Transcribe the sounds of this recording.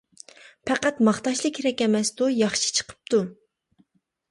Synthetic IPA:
pʰɛqæt̪mɑχt̪ɑʃlˠəkʲʰːɾɛkʲɛmɛsd̪ujɑχʃi̥t͡ʃʰə̥qʰə̥p̚t̪ʰu

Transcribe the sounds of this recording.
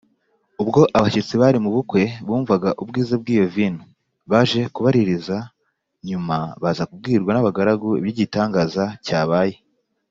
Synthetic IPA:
ub̚ɡo̞ʔaβaʃet͡siβaɾimuβukwe̞βuːɱvaɡaʔubɡiːzab̚ɡiːjovinu | βaʒe̞kuβaɾiɾiza | ɲumaβazakub̚ɡiːɾɡwanaβaɡaɾaɡuḭβjiɟitaːŋɡaːzacaːβaje

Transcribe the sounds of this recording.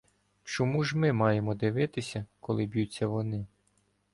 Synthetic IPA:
t͡ʃɔmuʒmɪmɑjemɔd̪ɪʋɪt̪ɪsʲɐkɔlˠɪbjut͡sʲːɐʋɔnɪ

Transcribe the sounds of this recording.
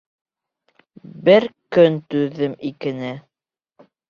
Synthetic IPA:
bɘɾkɵnt̪ʉðːɘmikɘ̆nɘ

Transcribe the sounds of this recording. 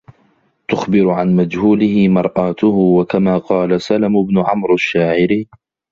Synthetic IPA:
t̪ʊxbɪɾʊʕanmad͡ʒhuːlɪhɪmɑɾˤʔaːt̪ʊhʊwakamaːqɑːlasalamʊbnʊʕamɾaʃːaːʕɪɾi

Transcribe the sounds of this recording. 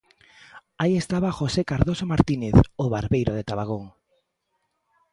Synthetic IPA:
aiest̪aβaxosekaɾðosomaɾt̪ineθoβaɾβejɾoð̞et̪aβaɣ̞oŋ

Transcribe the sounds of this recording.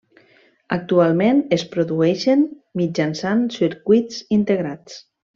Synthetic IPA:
a̰k̚t̪ualˠmẽnespɾuðuɛʃen | mid͡ʒansansiɾkwuitsint̪eɣɾat͡s

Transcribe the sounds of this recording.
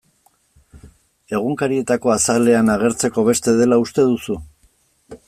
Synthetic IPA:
e̞ɣ̞uŋkaɾie̞t̪ako̞asale̞anaɣe̞ɾt͡se̞ko̞β̞e̞st̪e̞ðe̞laust̪e̞ðusu

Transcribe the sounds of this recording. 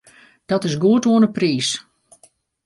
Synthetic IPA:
d̥ɔtɪsɡuətʋuənəpriːs

